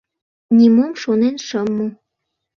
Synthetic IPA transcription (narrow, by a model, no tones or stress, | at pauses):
nʲimomʃonenʃəmːu